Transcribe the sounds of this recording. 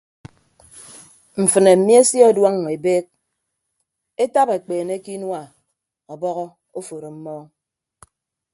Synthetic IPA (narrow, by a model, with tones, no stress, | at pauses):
m̩˨fɨ˨ne˨m̩˨mi˦e˦sjɔ˦˨dwa˦ŋ˨e˨beː˦k̚ | e˦ta˦be˨k͡peː˨ne˦ki˦nwa˨ | ɔ˨bɔ˦ɣɔ˦ | o˦fo˨ɾo˨m̩˦mɔː˦